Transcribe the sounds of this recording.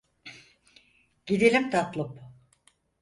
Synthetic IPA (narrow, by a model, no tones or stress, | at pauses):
ɟ̥id̪elʲimt̪ʰat̪lˠɯp